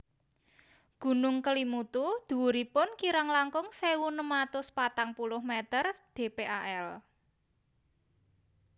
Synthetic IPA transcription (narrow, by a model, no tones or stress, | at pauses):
ɡ̥ṳnʊŋkəlimut̪ud̪̥ṳwuɾipʊnkiɾaŋlaŋkʊŋsewunəmat̪ʊspat̪aŋpulʊhmet̪ərd̪̥e̤peʔaʔɛl